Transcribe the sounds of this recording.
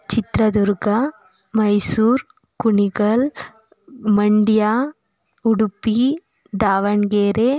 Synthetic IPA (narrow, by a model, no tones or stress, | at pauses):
t͡ʃɪt̪ɾɐðʊɾɣɐ | mɐɪsuːɾ | kʊɳɪɣɐl | mɐɳɖɪjaː | ʊɽʊpːi | d̪aːʋɐnɡeːɾeː